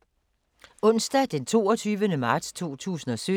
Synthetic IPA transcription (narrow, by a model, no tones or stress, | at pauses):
ɔ̽n̰sd̥æd̥ent͡sʰo̝ːɒt͡sʰyːʋənəmɑ̈ːd̥st͡sʰo̝̰ːt͡sʰṵːsn̩ɒ̽sø